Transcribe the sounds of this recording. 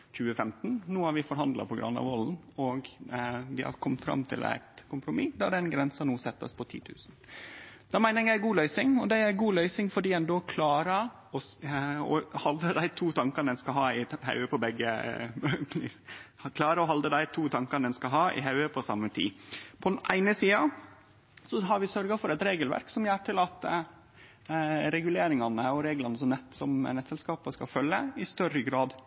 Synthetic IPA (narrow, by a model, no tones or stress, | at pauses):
c͡çʉːəfɛmt̪n̩nuːhɑɾʋɪfɔɾɦɑnd̪lɑ̰pʰɔɡɾɑ̰nːɑ̰ʋɔln̩ɔɡʋɪhɑ̰ɾkʰɔmt̪fɾɑ̰mt̪ʰɪ̰læ̰ɪt̪kʰʊmpɾʊmid̪æɖɛɪnɡɾɛnsɑnuːsɛt̪ːəspʰɔt̪ʰḭːt̪ʰʉ̰ːsn̩ | d̪̥ɑmæɪnəɾɛjæɪɡuːlœʏsɪŋɔd̪æɪæɾɡuːlœʏsɪŋfɔɖiːɛnd̪oːkʰlɑːɾə | ɔɔ̰hɑld̪ɾəd̪æɪt̪ʰuːt̪ʰɑŋkəd̪ɛnskɑɦɑːɪhɑ̰ʉəpʰɔbɛɡːə | kʰlɑːɾəɔɦɑld̪əd̪æɪt̪ʰuːt̪ʰɑŋkɑnd̪ɛnskɑɦɑːɪ̰ɦɑʉəpʰɔsɑ̰mːət̪ʰḭːpʰɔd̪ɛnʔæ̰ɪnəsiːɑ | sɔɦɑɾʋɪsœɾɡɑfɔɾɛt̪ɾeːɡəlʋæ̰ɾksɔmjæːʈɪlɑt̪ | ɾɛɡʉleːɾɪŋɑnəɔɾeːɡlɑnəsɔmnɛt̪ːsɔm̰nɛt̪sɛlskɑːpɑskɑfœlːəɪst̪œɾəɡɾɑːd̪